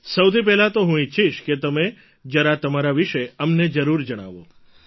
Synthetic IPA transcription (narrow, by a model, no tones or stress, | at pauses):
səwt̪ʰip̬ɛɦlat̪oɦũitːʃʰiʃket̪əme | d͡ʒəɾat̪əmaɾaʋiʃeəmned͡ʒəɾuɾd͡ʒəɽ̃a̰ʋo̰